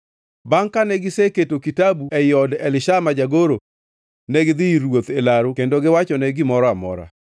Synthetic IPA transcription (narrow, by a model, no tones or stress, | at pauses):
baŋkanɛɡɪseketokitabuɛjɔdɛlɪʃamad͡ʒaɡoɾo | nɛɡɪd̪ɪiɾwot̪elaɾʊkendoɡɪwat͡ʃɔnɛɡɪmɔɾɔamɔ̰ɾa̰